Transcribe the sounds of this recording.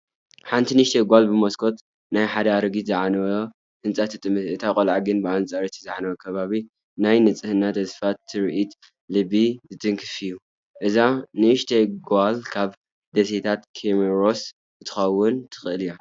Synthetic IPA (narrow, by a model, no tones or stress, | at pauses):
ħant̪ʰinɨʃt̪ʰeɡʷalbɨmoskʰo̞t̪ | najħad̪ɐaɾɨɡizɨʕanɐwo | hɨnt͡sʼat̪ʰɨt̪ʼːɨmɨɨt̪ʰakʼolʕaɡɨnbɨant͡sʼaɾit̪ʰizɨʕanɐwɐkʰɐβaβi | najnɨt͡sʼɨhɨnːat̪ɐsfat̪ʰːɨɾʔit̪ | lɨbizɨt̪ʼɨŋkʰɨfiju | ʔɨzanɨɨʃt̪ʰeɡalkʰaβ | d̪ɐset̪ʰat̪kʰemeɾo̞s | ɨt̪ʰɨ̥xɐwːʊnt̪ʰɨ̥xɨʔɨlija